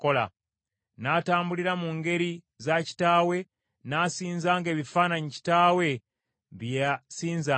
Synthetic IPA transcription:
kola̰ | naːtaːmbuliɾamuŋɡe̞ɾi | zaci̥taːwe̞ | nasiːnzaːŋɡe̞ːβifaːnaɲici̥taːwe̞ | βjsiːnza

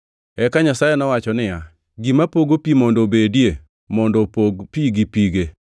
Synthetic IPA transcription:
ɛkaɲasajɛnɔwat͡ʃɔnɪja | ɡimapoɡopimɔndobedije | mɔndɔopiɡipiɡe

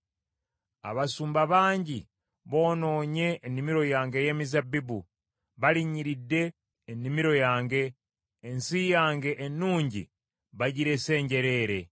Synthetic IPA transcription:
a̰βasuːmbaβaːɲɟi | βo̞ːno̞ːɲe̞ːnːimiɾo̞jaːŋɡe̞je̞ːmizabibu | βaliɲiɾidːe̞ː | nːimiɾo̞jaːŋɡe̞ː | nsijaːŋɡe̞ʔenːuːɲɟḭ | βaɟiɾe̞se̞ːɲɟe̞ɾe̞ːɾe̞

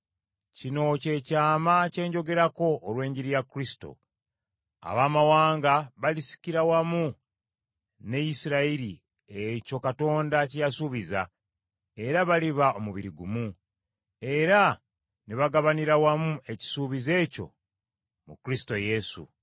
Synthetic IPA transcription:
cino̞ce̞caːmace̞ːɲɟo̞ɡe̞ɾako̞ʔːlwe̞ːɲɟiɾijakuɾisi̥to̞̰ | a̰βaːmawaːŋɡaβalisi̥kiɾawamu | ne̞jisiɾaiɾi | eco̞kato̞ːndacijasuβiza̰ | e̞ɾaβaliβao̞muβiɾiɡumu | e̞ɾa | neβaɡaβaniɾawamue̞ci̥suβize̞co̞̰ | mukuɾisi̥to̞je̞sṵ

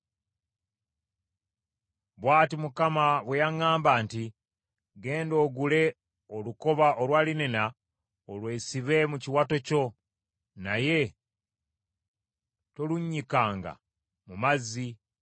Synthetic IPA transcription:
βwaːtimukamaβwe̞jaŋaːmbaːnti | ɡe̞ːndo̞ːɡule̞ | oluko̞βaʔo̞lwaːlinena | olwe̞ːsiβe̞muciwato̞co̞ | naje̞ | to̞luɲːikaːŋɡa̰ | mumazːi

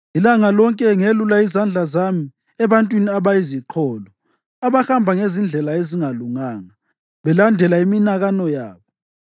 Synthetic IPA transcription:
ilaŋalɔŋkʼɛŋelulaizand͡ɮʱazami | ɛβantʼwiniaβajiziǃʰɔːlɔ | aβaxambʱaŋezind͡ɮʱɛlaeziŋaluŋaːŋa | βɛlandʱɛlaiminaɣanɔja̰ːβɔ

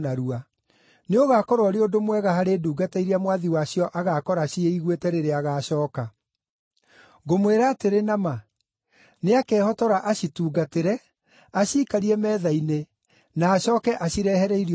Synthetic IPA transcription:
naɾua | neoɣakɔɾwɔɾeodomwɛɣahaɾeːduːɡataiɾeamwaðiwaɕiɔʔaɣakɔɾaʃieiɣwetɛɾeɾeaɣaːɕɔːka | ɣomweɾaːteɾenama | neakɛːhɔtɔɾaʔaɕituːɡateɾɛ | aɕiːkaɾiɛmɛːðaine | naːɕɔːkɛʔaɕiɾɛhɛɾɛiɾ

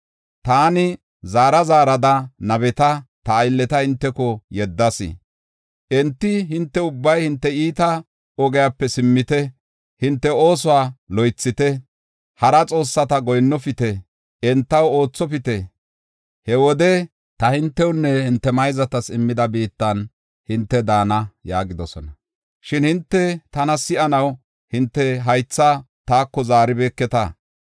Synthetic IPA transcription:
t̪aːnɪ | zaːɾɐzaːɾɐd̪ɐnɐbɛt̪ɐt̪ɐːjlːɛt̪ɐhɪnt̪ːɛkɔjɛd̪ːɐsɪ̰ | ʔɛnt̪ːɪɦɪnt̪ːɛʊbːɐjhɪnt̪ːɛiːt̪ɐ | ɔɡɛjapːɛsɪmːɪt̪ɛ | hɪnt̪ːɛoːs̬ʊwaːlɔjt͡sːɪt̪ɛ | hɐɾɐt͡sʼo̞ːsːɐt̪ɐɡɔjnːɔfɪt̪ɛ | ɛnt̪ːɐwo̞ːt͡sːɔfɪt̪ɛ | hɛwɔd̪ɛ | t̪ɐhɪnt̪ːɛwʊnːɛhɪnt̪ːɛmɐjzɐt̪ɐsɪmːɪd̪ɐbiːt̪ːɐn | hɪnt̪ːɛd̪aːnɐjaːɡɪd̪ɔsɔnɐ | ʃɪnhɪnt̪ːɛt̪ɐnɐsɪʔɐnɐw | hɪnt̪ːɛɦɐjt͡sːa | t̪aːkːɔzaːɾɪbeːkːɛt̪ɐ̰

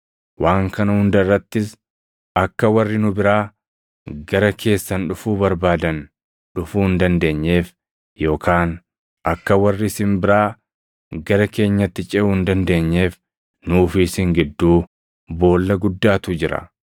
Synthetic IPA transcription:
wʔaːŋkɐnɐhʊnd̪ɐrːɐt̪ːɪs | ɐkːɐwɐrːɪnʊbɪɾaː | ɡɐɾɐkʰe̞ːsːɐnᶑʊfuːbɐɾbaːd̪ɐn | ᶑʊfuːɪnd̪ɐnd̪e̞ːɲːe̞ːf | jo̞ːkʰaːn | ʔɐkːɐwɐrːɪsɪmbɪɾaː | ɡɐɾɐke̞ːɲːɐt̪ːɪt͡ʃʼɛuːɪnd̪ɐnd̪e̞ːɲːe̞ːf | nuːfɪsɪŋɡɪd̪ːuː | bo̞ːlːɐɡʊd̪ːaːt̪ʊd͡ʒɪɾɐ̰

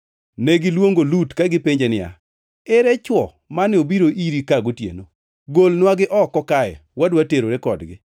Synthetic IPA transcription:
neɡɪlwoŋɡolutkaɡɪpeɲd͡ʒenɪja̰ | ɛɾɛt͡ʃwɔ | manɪobiɾoʔiɾikaɡotjḛno | ɡolnwaɡɪʔɔkːɔkajɛ̰wadwateɾoɾekɔdɡɪ

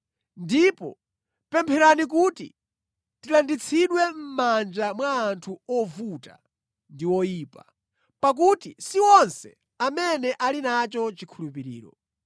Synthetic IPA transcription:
ndipɔ̰ | pɛmpʰɛɾanik̬utḭ | tilandit͡sʰiɗwɛm̩mand͡ʒamwaːntʰuɔvuta̰ | ndiwɔjiːpa | pak̬utisiwɔnsɛ̰ | amɛnɛʔalinat͡ʃɔt͡ʃikʰulup̬iɾḭːɾɔ̰

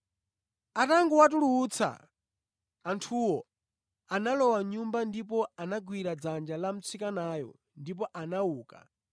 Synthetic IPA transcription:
ataŋɡuwat̬uluːt͡sʰa̰ | ntʰuwɔ | analɔwaɲumbandip̬ɔanaɡwiɾad͡zand͡ʒalam̩t͡sʰikanaːjɔ̰ | ndip̬ɔʔanauːka̰

